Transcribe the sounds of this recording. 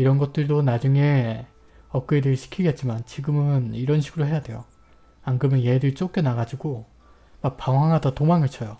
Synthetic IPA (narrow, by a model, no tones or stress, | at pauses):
iɾʌnɡʌt̚t͈ɯɭdonad͡ʑuŋe̞ | ʌk̚k͈ɯedɯɭɕʰi̥kʰiɡe̞t̚t͡ɕ͈imant͡ɕiɡɯmɯniɾʌnɕʰiɡɯɾoɦe̞jadwe̞jo̰ | anɡɯmɯnjedɯɭt͡ɕ͈ok͈enaɡad͡ʑiɡo | mak̚p͈aŋwaŋɦadʌtomaŋɯt͡ɕʰʌjo